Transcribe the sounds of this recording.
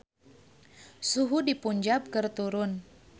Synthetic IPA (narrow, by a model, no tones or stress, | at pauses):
suɦudipuɲd͡ʒap̚kɨrt̪uɾʊn